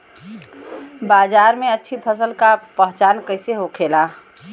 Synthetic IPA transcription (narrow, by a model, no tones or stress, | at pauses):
baːzaːɾmẽətːʃʰipʰəsəlkapəɦt͡ʃaːnkəɪseɦokʰeːla